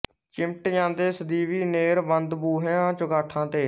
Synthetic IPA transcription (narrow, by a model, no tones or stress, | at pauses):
t͡ʃɪmʈjãːnd̪eːsəd̪iːʋiːneːɾbənd̪buːɦãːt͡ʃʊɡaːʈʰãːt̪eː